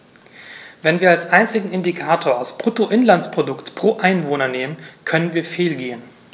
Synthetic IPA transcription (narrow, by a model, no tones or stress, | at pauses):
vɛnviːɐalsʔaɪnt͡sɪɡŋ̩ɪndikʰaːtʰoːɐaʊspʁ̥utoʔɪnlantspʁ̥odʊktpʁ̥oːʔaɪnvoːnɐneːmənkʰœnənviːɐfeːlɡeːən